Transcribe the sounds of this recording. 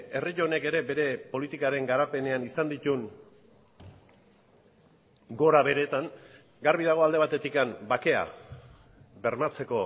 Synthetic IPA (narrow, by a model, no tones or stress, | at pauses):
e̞riʎone̞ke̞ɾe̞be̞ɾe̞po̞lit̪ikaɾe̞ŋɡaɾape̞ne̞anisand̪it̪uŋ | ɡo̞ɾaβe̞ɾe̞t̪aŋ | ɡaɾβiðaɣ̞o̞ald̪e̞β̞at̪e̞t̪ikambake̞a̰ | βe̞ɾmat͡se̞ko̞